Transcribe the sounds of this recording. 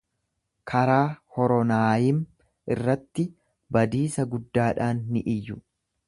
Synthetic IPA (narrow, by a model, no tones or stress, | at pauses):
kʰɐɾaːhɔɾɔnaːjɪm | ɪrːɐt̪ːɪ | bɐd̪iːsɐɡʊd̪ːaːᶑaːnːɪʔɪjːʊ